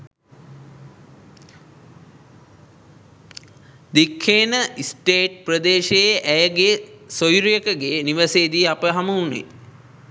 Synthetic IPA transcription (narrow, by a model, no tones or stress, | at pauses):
d̪ikʰːeːnəisʈeːʈ̚prəd̪eːʃejeʔæjəɡesojɾijəkəɡeːniʋəseːd̪iapəɦaməunḛ